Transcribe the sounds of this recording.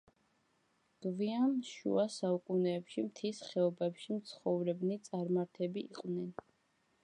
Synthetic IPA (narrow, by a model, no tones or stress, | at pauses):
ɡ̥viamʃṵasaukʼunɛːpʃimt̪ʰisχɛɔbɛpʃimt̪sʰχɔvɾɛbnit̪sʼaɾmaɾt̪ʰɛbḭːqʼvnɛn